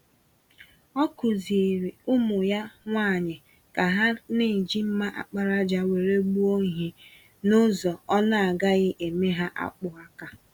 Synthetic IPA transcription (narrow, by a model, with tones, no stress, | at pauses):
ɔ˦kʊ˨zi˨ɾi˨ʊ˦mʊ˨ja˦ŋʷa˦˨ɲɪ˨ | ka˨ɦa˦ne˦˨n̩˨d͡ʒi˦m̩˦ma˦ʔa̰˨k͡pa˦ɾa˦d͡ʒa˦we˨ɾe˦ɡ͡bu˦o˦ɲ˨ɦe˨ | nʊ˦zɔ˨ɔ˦na˦a˨ɡa˦ɣɪ˦ʔe˨me˦ɦa˦ʔa̰˦k͡pʊ˨a˦ka˦